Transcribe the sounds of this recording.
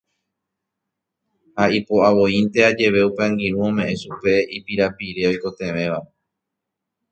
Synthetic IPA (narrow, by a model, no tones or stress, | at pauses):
haipo̞aʋo̞int̪e̞ad͡ʒe̞ʋe̞upeãŋɡiɾũõ̞mẽ̞ʔẽ̞sʃupe̞ipiɾapiɾe̞o̞jko̞t̪ẽ̞ʋẽ̞ʋa